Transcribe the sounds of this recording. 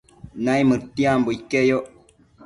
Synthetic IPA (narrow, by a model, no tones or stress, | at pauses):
najmɨtiamboikejoʔ